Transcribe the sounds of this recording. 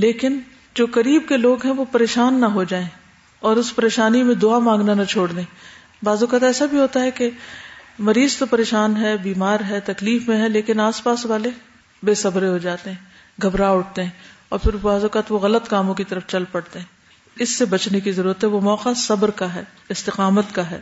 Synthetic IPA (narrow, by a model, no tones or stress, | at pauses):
leːkɪn | d͡ʒoːkɐɾiːb̚keloːɡɦɛ̃ʋopɐɾeːʃaːnːɐɦod͡ʒaːẽː | ɔːɾʊspɐɾeːʃaːnimẽd̪oamãːŋɡnanɐt͡ʃʰoːɽd̪ẽː | baːzʊkət̪ɛːsabʱiɦoːt̪aɦɛke | mɐɾiːzt̪opɐɾeːʃaːnɦɛbiːmaːɾɦɛt̪ɐkliːfmẽɦɛ̃leːkɪnaːspaːsʋaːle | beːsɐbɾeɦod͡ʒaːt̪eɦɛ̃ː | ɡʱɐbɾaʊʈ̚ʰt̪eɦɛ̃ːɔ̰ːɾfʰɪɾbaːzʊkət̪ʋoɣɐlət̪kaːmõkit̪ɐɾəft͡ʃɐlpɐɽt̪eɦɛ̃ː | ɪsːebɐt͡ʃnekizɐɾuːɾət̪ɦɛʋomɔːqasɐbɾkaɦɛː | ɪst̪ɪqaːmət̪kaɦɛ̰ː